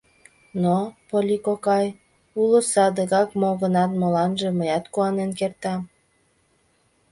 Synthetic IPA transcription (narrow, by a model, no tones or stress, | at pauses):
nopolʲikokɑj | ulosɑd̪əɣɑkmoɣənɑt̪məlɑnʒĕməjɑt̪kuɑnenkert̪ɑm